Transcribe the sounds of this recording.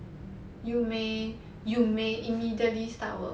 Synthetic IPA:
jume | jumeʔimidiətlista̰wə̰

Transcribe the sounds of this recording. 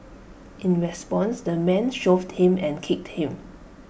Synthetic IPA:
ʔĩnɹɛspɔ̃nsdəmɛ̃nʃovdhĩmɛ̃nkʰɪk̚thĩm

